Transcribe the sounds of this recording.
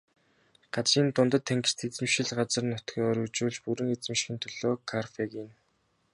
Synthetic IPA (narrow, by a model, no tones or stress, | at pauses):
ɢ̥at͡sriːnt̪ʊnt̪ə̆t̪ʰːæŋɡɘ̥̆st̪ʰet͡sɘ̆mʃɪ̆ɮɢat͡sə̆rnʊt̪ɡʲiːɔːɾut͡ɕuːɮt͡ɕpuɾɘ̆ŋet͡sɘ̆mʃxʲĭːnt̪ʰɔɮ̥ɔːkʰarfekin